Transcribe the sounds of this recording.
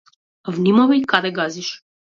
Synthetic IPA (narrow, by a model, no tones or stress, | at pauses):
vnimɔvɛjkaɾɛɡaziʃ